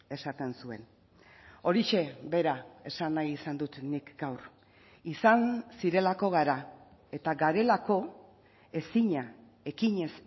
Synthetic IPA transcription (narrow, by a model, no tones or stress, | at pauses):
e̞sat̪e̞nsue̞̰n | o̞ɾiʃe̞be̞ɾae̞sanajisand̪ut̪nikɡawr | isansiɾe̞lako̞ɣaɾa | e̞t̪aɡaɾe̞lako̞ | e̞siɲa | e̞kiɲe̞s